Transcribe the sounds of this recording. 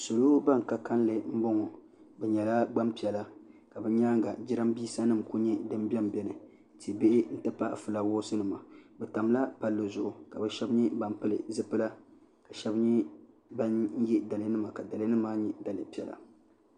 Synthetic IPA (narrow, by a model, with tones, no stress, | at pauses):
so˨lo˦ba˦ŋ˨ka˦ka˦n˦lɨ˨m̩˦bʊ˦ŋɔ˨ | bɛ˨ɲɛ˨la˦ɡ͡ba˦mpi˨ɛ˨la˦ka˨bɛ˨ɲaː˦ŋɡa˨d͡ʒi˦ɾa˦mbiː˦sa˦nɨ˦˨mku˦ɲɛ˦dɨ˦m˦bɛ˦m˨bɛ˨nɨ˨ | ti˨be˦ʔɪ˦n̩˦tɨ˦pa˦ʔfɨ˨la˦wɔː˦sɨ˦nɨ˨ma˨bɛ˨ta˨m˦la˦pa˦lːɨ˨zʊ˨ʔʊ˨ka˨bɛ˦ʃɛ˦bɲɛ˦ba˨m˦pɨ˦lɨ̰˨zɨ˦pɨ˦la˦ | ka˨ʃɛ˦bɲi˦ | ba˦n˦jɛ˦da˨lɨ˦nɨ˦ma˨ka˨da˨lɨ˦nɨ˦maː˦ɲɛ˦da˨lɨ˨pi˦ɛ˨la̰˨